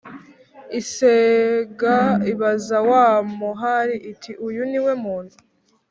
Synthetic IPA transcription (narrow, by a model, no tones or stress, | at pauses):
iseɡaiβazawaːmuɦaɾiʔitʰiʔujuniwemuːn̥hu